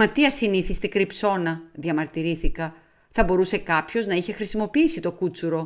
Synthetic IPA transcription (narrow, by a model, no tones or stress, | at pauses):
mɐt̪iɐsiniθist̪ekɾipso̞nɐðiɐmɐɾt̪iɾiθikɐ | θɐbo̞ɾuse̞kɐpço̞znɐiçe̞xɾisimo̞piisit̪o̞kut͡suɾo̞